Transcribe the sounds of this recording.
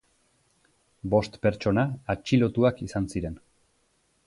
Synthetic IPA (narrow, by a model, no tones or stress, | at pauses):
bo̞st̪pe̞ɾt͡ʃo̞naːt͡ʃilo̞t̪uakisansiɾe̞n